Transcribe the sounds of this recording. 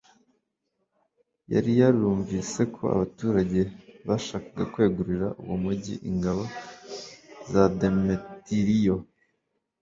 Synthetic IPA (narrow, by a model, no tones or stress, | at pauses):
ja̰ɾijaɾijuːɱviːse̞kʰo̞̰a̰βatuːɾaɟe̞βaʃaːkaɡakwe̞ːɡuɾiɾaʔuwomuɟḭʔḭŋɡaβo | zademetiɾijo